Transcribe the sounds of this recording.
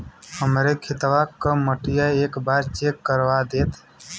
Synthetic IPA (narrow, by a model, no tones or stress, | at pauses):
həmɾekʰɪt̪ʋakaməʈɪjaeːkbaːɾt͡ʃeːkːəɾwad̪eːt̪ʰ